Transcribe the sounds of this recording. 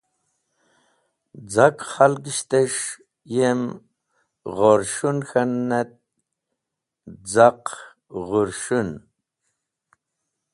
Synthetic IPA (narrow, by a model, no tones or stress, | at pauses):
d͡zakχalɡiɕt̪eʂ | jem | ʁoɾʂunxanːet̪̚ | d͡zaq | ʁuɾʂun